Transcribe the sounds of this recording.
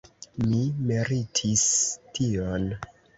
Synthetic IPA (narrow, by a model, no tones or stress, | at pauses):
mimiɾitʰistion